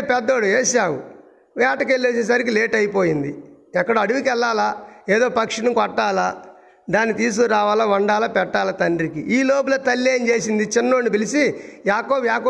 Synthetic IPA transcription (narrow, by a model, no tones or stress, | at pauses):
pɛd̪ːoːɽueːʃaːwṵ | ʋaːʈɐkelːeːseːs̬ɐɾik̬ileːʈɐjpoːjind̪ḭ | ɛkːɐɽɐɐɽuʋikɛlːaːlaeːd̪oːpɐkʂinukɔʈːaːla | d̪aːnːit̪iːs̬kuɾaːʋaːlɐʋɐɳɖaːlɐpɛʈːaːlɐt̪ɐɳɖɾikḭʔiːloːb̬ulɐt̪ɐlːeːnd͡ʒe̞ːsind̪it͡ʃinːoːɳːipilisijaːkoːbjaːkː